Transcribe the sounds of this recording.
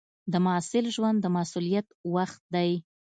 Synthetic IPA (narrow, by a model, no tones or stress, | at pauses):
d̪əmasɪlʒwand̪ːəmasulijat̪waxt̪̚d̪aj